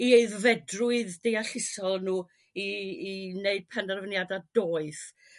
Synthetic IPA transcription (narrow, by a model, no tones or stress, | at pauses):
ieɨðvɛdrʊɨðdejaɬɪsɔlˠnuː | iː | neɨd̥̚pʰɛndɛrvənjadad̥oːɨθ